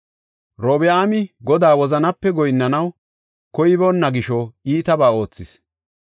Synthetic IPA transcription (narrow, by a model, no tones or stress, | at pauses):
ɾoːbɛaːmɪɡɔd̪aːwɔzɐnɐpːɛɡɔjnːɐnɐw | kɔjɪbɔnːɐɡɪʃɔiːt̪ɐbaːo̞ːt͡sːɪs